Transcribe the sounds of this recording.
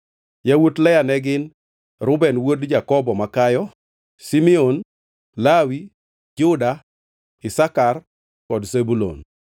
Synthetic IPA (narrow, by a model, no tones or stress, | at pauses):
jawotlɛjanɛɡɪn | ɾʊbɛnwodd͡ʒakɔbɔmakajɔ | simɛon | lawi | d͡ʒʊda | ɪsakar | kɔdsebulo̰n